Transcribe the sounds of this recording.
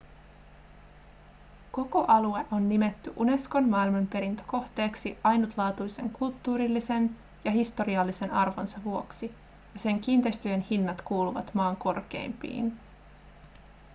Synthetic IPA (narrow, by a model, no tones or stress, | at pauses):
ko̞ko̞ʔɑlue̞ʔo̞nːime̞t̪ːyʔune̞sko̞nmɑːilmɑmpe̞ɾint̪o̥ko̞ht̪e̞ːksiʔɑjnut̪lɑːt̪ujse̞̰ŋkult̪ːuːɾilːise̞n | jɑɦist̪o̞ɾiɑlːise̞nɑrʋo̞nsɑʋuo̞ksi | jɑse̞ŋk̟iːnt̪e̞jst̪yenhinːɑt̪kuːluʋɑ̰t̪mɑːŋko̞rk̟e̞̰jmpḭːn